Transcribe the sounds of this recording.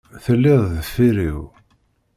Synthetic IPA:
θəlːɪðˤðəfːiɾḭw

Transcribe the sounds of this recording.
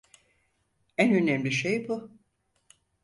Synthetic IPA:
ænø̞næmlʲiʃejbu

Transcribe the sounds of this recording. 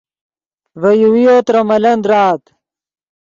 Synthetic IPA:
vɐjuwijot̪ɾɐmɐlɐnd̪ɾaːt̪

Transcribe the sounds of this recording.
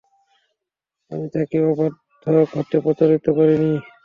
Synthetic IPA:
a̰mit̪akibapɔɾdd̪ʱoɡʱɔt̪ːopot̪oɾit̪ːokoɾini

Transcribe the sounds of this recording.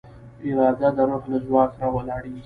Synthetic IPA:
ɪɾɑd̪ad̪əɾoɦlazwɑːksɾawəlɑɽi

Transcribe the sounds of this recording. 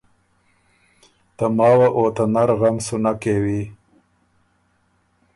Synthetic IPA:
t̪amɑːwaʔoːt̪anaɾɣamsunakewi

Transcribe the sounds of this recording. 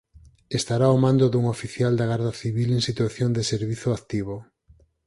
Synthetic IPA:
est̪aɾaomãnd̪ʊðuŋofiθjald̪aɣaɾðɐθiβileŋsit̪waθjoŋd̪eseɾβiθʊakt̪iβo

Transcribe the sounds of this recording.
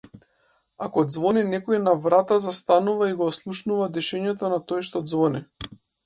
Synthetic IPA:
akɔd̪zvɔninɛkɔinavɾat̪azast̪anuvaiɡɔːslˠuʃnuvad̪ɛʃɛɲɛt̪ɔnat̪ɔjʃt̪ɔd̪zvɔni

